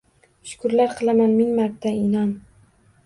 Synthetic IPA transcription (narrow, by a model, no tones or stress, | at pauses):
ʃʊ̥kʰʊɾlaɾqʰɨlˠamanmɪŋmaɾt̪ʰːaɪnɒn